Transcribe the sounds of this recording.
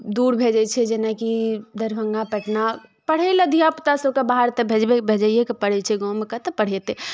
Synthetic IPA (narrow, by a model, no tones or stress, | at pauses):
d̪uːɾbʱed͡ʒɛt͡ʃʰɛd͡ʒenakid̪əɾbʱəŋɡapɛʈnapəɽ̤ɛləd̪ʱijapt̪asokabaɦəɾt̪ebʱed͡ʒbebʱed͡ʒəijekəpəɽɛt͡ʃʰɛɡɔmekət̪əpəɽ̤ɛt̪e